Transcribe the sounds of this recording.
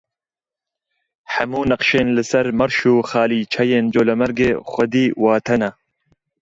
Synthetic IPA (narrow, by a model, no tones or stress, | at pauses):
ħɐ̰muːnɐqʃeːnlɨsɐɾmɐɾʃuːxaːliːt͡ʃʰɐjeːnd͡ʒoːlɐmɐɾɡeːxʷɐd̪iːwaːt̪ʰɐna